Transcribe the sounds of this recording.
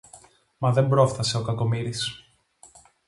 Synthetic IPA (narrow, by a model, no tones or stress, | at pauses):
mɐðe̞mbɾofθɐse̞o̞kɐko̞miɾis